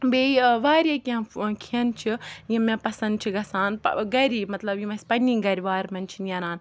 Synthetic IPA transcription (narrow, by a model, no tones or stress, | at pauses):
beːiʋaːɾakiãkʰiɐnt͡ʃʰijĩmẽpɐsɐ̃nd̪t͡ʃʰiɡɐsaːn̰ɡɐɾiːmɐt̪lɐbjĩmɐspɐnĩŋɡɐɾiʋaːɾmɐnt͡ʃʰinijɐɾaːn